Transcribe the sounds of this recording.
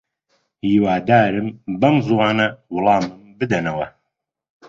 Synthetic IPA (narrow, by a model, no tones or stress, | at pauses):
hiːwaːd̪aːɾɨmbɐmzuwaːnɐwʊlˠɑːmɨmbɨd̪ɐnɐwɐ